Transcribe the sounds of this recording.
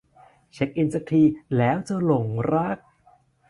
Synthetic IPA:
t͡ɕʰe˦˥k̚ʔi˧nsa˨˩k̚t̪ʰiː˧lɛː˦˥wt͡ɕa˧˩lo˨˩ŋɾa˦˥˩k̚

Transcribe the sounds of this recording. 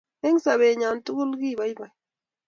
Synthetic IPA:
e˦ŋsa˨βe˨ɲa˨n˦tu˦ku˦lɡi˦˨ba˨i˦ba˨j

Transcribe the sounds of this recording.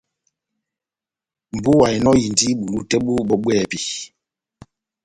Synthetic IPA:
m̩˨bu˦wa˨i˨nɔ˦ji˨ndi˦ɓu˨lu˦tɛ˦ɓu˦ɓɔ˨ɓwɛː˦˨pi˨

